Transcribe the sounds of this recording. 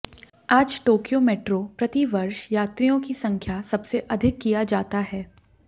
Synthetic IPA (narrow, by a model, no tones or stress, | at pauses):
aːd͡ʒʈoːkijomeːʈɾopɾɐt̪iʋɐɾʃjaːt̪ɾijõkisɐ̃ŋkʰjasɐbseʔɐd̪ʱɪkːijad͡ʒaːt̪aɦɛː